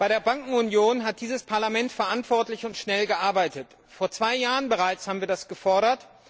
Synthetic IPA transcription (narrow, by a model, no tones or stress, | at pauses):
b̥aɪɾeːɐbaŋkŋ̩ʊnjoːnɦat̚d̥iːzəspʰaɐlamɛntfɛɐʔantv̥ɔɐtlɪçʊntʃnɛlɡəʔaɐbaɪtət | foːɐt͡sv̥aɪjaːʁənbəʁaɪt͡shaːbm̩viːɐdasɡ̥əfɔɐɾɐt